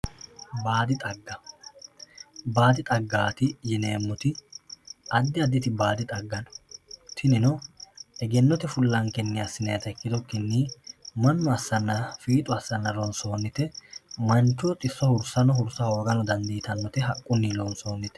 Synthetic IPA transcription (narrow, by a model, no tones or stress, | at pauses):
baːd̪ɪt̪ʼɐɡːɐ | baːd̪ɪt̪ʼɐɡːaːt̪ɪjɛneːmːɔt̪ɪ | ɐd̪ːɪɐd̪ɪt̪ɪbaːd̪ɪt̪ʼɐɡːɐnɔt̪ʰɪnɪnɔɛɡɛnːɔt̪ɛfʊlːɐŋkɛnːɪjasːɪnɛjɐt̪ɐɛkːɪd̪ɔkːɛnːiːmɐnːɔɐsːɐnːɐfiːt̪ʼʊɐsːɐnːɐlɔnso̞ːnːɪt̪ɛmɐnt͡ʃːɔt̪ʼɪsːɔhʊɾsɐnɔɦʊɾsaoːɡɐnɔd̪ɐnd̪iːt̪ɐnːɔt̪ɛɦɐkʼːʊnːiːlɔnso̞ːnːɪt̪ɛ̥